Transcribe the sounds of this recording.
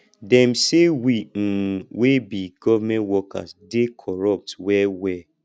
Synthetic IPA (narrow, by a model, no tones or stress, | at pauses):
dɛm̩sewin̩webiɡɔvamɛ̃nwɔka̰sdekʰɔɾɔp̚twɛwɛ